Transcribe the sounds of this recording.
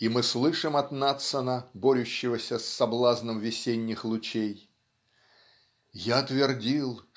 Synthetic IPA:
imɨslˠɨʂɨmɐt̪nat̪sənəboɾʲʉɕːɪvəsʲəsːɐblˠaznəmvʲɪsʲenʲːɪxlˠʊt͡ɕej | jaɐt̪vʲɪrdʲilˠ

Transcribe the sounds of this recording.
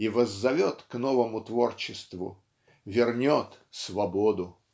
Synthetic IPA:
ivəzːɐvʲot̪knovəmʊt̪vort͡ɕɪst̪vʊ̰ | vʲɪrnʲot̪ | svɐbod̪ʊ

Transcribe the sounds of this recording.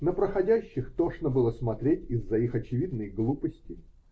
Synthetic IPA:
nəpɾəxɐdʲæɕːɪxt̪oʂnəbɨlˠəsmɐt̪ɾʲetʲɪzːɐixɐt͡ɕɪvʲid̪nəjɡlˠupəsʲtʲɪ

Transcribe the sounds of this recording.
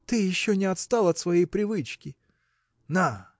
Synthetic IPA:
t̪ɨjɪɕːonʲɪɐt̪st̪ɑlˠɐt̪svɐjejpɾʲɪvɨt͡ɕkʲɪ | na

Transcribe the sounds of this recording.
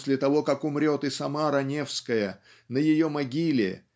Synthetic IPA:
sʲlʲɪt̪ɐvo̞kakʊmɾʲo̞t̪ɪsɐmaɾɐnʲe̞fskəjə | nəjɪjo̞mɐɡʲilʲɪ̰

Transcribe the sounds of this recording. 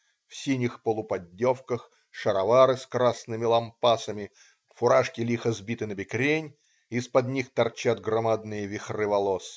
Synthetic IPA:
fsʲinʲɪxpəlˠʊpɐdʲːofkəx | ʂəɾɐvaɾɨskɾasnɨmʲɪlˠɐmpasəmʲɪ | fʊɾaʂkʲɪlʲixəzbʲit̪ɨnəbʲɪkɾʲenʲ | ispɐd̪ʲnʲixt̪ɐrt͡ɕad̪ɡrɐmad̪nɨjəvʲɪxrɨvɐlˠos

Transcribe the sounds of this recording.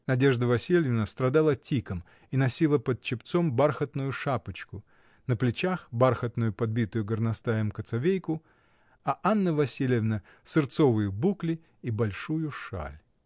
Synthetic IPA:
nɐdʲe̞ʐd̪əvɐsʲilʲɪvnəst̪ɾɐd̪alˠətʲikəm | inɐsʲilˠəpət̪̚t͡ɕɪpt̪sombarxət̪nʊjʊʂapɨt͡ɕkʊ | nəplʲɪt͡ɕaxbarxət̪nʊjʊpɐd̪̚bʲit̪ʊjʊɡərnɐst̪ajəmkət̪sɐvʲejkʊ | ɐʔanːəvɐsʲilʲɪvnə | sɨrt̪sovɨjɪbuklʲɪ | ibɐlʲʂujʊʂa̰lʲ

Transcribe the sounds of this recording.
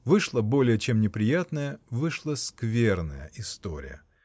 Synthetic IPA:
vɨʂlˠəbo̞lʲɪjət͡ɕemnʲɪpɾʲɪjat̪nəjəvɨʂlˠəskvʲernə̰jə̰ʔɪst̪o̰ɾʲɪ̰jə̰

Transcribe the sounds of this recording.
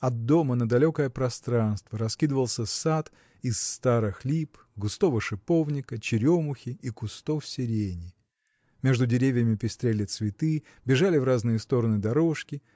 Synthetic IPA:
ɐd̪̚d̪ːo̞mənəd̪ɐlʲokəjəpɾɐst̪ɾanst̪vəɾɐskʲid̪əvəlˠsʲəsat̪ | ɪsːt̪aɾɨxlʲip | ɡʊst̪o̞vəʂɨpo̞vnʲɪkət͡ɕɪɾʲomʊxʲɪikʊst̪o̞fsʲɪɾʲenʲɪ | mʲe̞ʐd̪ʊdʲɪɾʲevʲɪjəmʲɪpʲɪst̪ɾʲelʲɪt̪svʲɪt̪ɨ | bʲɪʐalʲɪvraznɨjəst̪o̞ɾənɨd̪ɐɾo̞ʂkʲɪ

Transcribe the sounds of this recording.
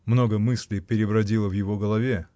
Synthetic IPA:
mno̞ɡəmɨsʲlʲɪjpʲɪɾʲɪbɾɐdʲilˠəvjɪvo̞ɡəlˠɐvʲe

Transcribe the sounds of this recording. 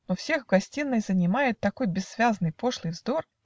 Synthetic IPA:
nofsʲe̞xvɡɐsʲtʲinːəjzənʲɪmajɪt̪ːɐko̞jbʲɪsːvʲaznɨjpo̞ʂlˠɨjvzd̪o̞r

